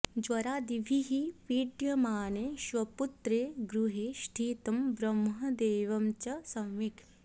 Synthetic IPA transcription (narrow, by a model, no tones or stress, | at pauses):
d͡ʒʋɐɾaːd̪iʋʱiɦipiːɖjɐmaːneːʃʋɐput̪ɾeːɡɾuɦeːʃʈʰiːt̪ɐmbɾɐmɦɐd̪eːʋɐmt͡ʃɐsɐ̃wʋik